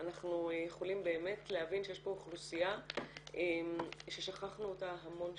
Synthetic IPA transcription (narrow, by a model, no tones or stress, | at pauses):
anaχnujeχolimbe̞ːme̞tleavinʃejeʃbo̞χlusijaemʃe̞ʃaχaχnuotaɦamo̞n